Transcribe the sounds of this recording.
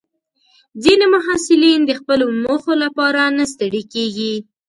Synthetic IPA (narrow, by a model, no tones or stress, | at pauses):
zinemʊɦɑsɪlind̪əxpəlomoxolapɑɾanas̬t̪əɽikeɡi